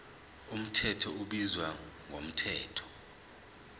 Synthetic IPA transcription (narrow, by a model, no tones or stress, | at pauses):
um̩tʰɛtʰɔuɓizwaŋʱom̩tʰɛːtʰɔ̥